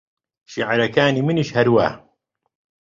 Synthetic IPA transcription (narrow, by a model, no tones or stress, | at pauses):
ʃiʕaɾɐkaːniːmɨniʃhɐɾwa̰ːh